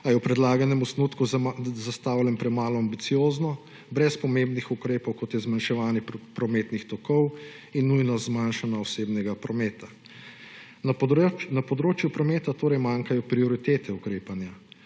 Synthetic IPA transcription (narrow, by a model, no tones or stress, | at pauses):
ajɛwpɾɛd̪laːɡanɛmɔsnut̪kuzast̪aːwlɛmpɾɛmaːlɔambit̪sijoːznɔ | bɾɛspɔmẽmbnixukɾeːpɔwkɔt̪jɛzmanʃɛʋaːnɛpɾɔmeːt̪nixt̪ɔkɔw | inːujnɔzmanʃanaɔseːbnɛɡapɾɔmeːt̪a | napɔd̪ɾoːt͡ʃjupɾɔmeːt̪at̪oːɾɛjmaːŋkajɔpɾiɔɾit̪eːt̪ʰɛukɾeːpanja